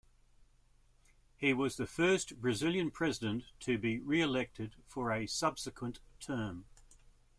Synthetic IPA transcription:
hiwɒzðəfɜˑsb̥ɹɨzɪlˠjə̃npʰɹ̥ɛzɪdə̃ntʰɨbiɹiəlɛk̚tʰɪd̥fəɹəsʌb̥sɪkʰwə̃ntʰɜːm

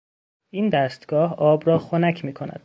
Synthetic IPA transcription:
iːnd̪æst̪ɡ̥ɒːɦɒːbɾɒːxonæcʰmiːkʰo̞næ̰d̪̥

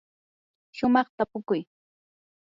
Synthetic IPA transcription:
ʃʊmɑχt̪apʊkʊj

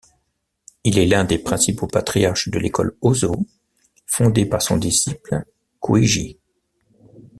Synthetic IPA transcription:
ilɛlɛ̃d̪epχɛ̃sipopat̪χijaʁʃd̪əlekɔ̰lozo | fɔ̃d̪epaʁsɔ̃d̪isipl | kʰwiʒḭ

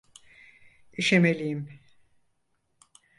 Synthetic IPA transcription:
iʃemelʲijim

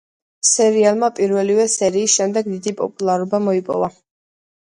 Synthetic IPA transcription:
sɛɾialˠmapʼiɾvɛlivɛsɛɾiːsʃɛmd̪ɛɡ̚d̪id̪ipʼɔ̰pʼulˠaɾɔbamɔipʼɔ̰va

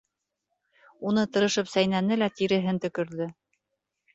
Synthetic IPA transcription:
un̪ɤt̪ɤ̆ɾɤ̆ʃɤpsæjnænɘlæt̪iɾɘ̆ɦɘnt̪ɵ̆kɵ̆ɾðɘ

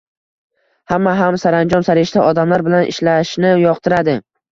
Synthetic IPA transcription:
hamːaɦamsaɾand͡ʒɒnsaɾɪʃt̪aʔɒd̪amlaɾbɪlanʔɪ̰ʃlaʃnɪjɒqt̪ʰɪɾad̪ɪ

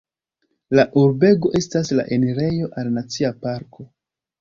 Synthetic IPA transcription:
laʔuɾbe̞ɡo̞ʔe̞stasla̰ʔe̞neɾe̞jo̞ʔalnat͡siapaɾkʰo̞

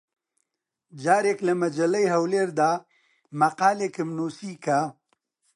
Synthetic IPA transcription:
d͡ʒaːɾeːklɐmɐd͡ʒɐlɐjɦɐwleːɾd̪aː | mɐqaːleːkɨmnuːsiːka

